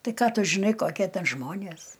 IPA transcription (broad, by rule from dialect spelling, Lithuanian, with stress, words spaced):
ˈtɐɪ ˈkɑː ˈtʊ ʒʲɪˈnɐɪ ˈkoːkʲiɛ ˈtʲɛn ˈʒmoːnʲeːs